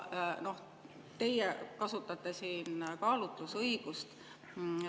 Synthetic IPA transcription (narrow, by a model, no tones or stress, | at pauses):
no̞h | t̪e̞jekɑsut̪ːˑɑt̪ːe̞siːnkɑːlut̪ːˑusɤiɡ̥ust̪